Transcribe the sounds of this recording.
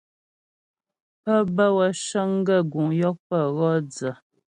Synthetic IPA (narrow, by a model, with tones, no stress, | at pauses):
pə˦bə˦wə˨ʃə˦ŋ˦ɡə˦˨ɡu˨ŋjɔ˦k̚pə˦˨ɣɔ˦d͡zə˨